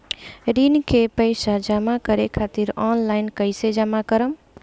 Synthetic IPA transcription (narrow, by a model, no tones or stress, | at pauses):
ɾinkʰepəjsad͡ʒəmakəɾekʰat̪iɾɔnlajnkəɪsed͡ʒəmakəɾəm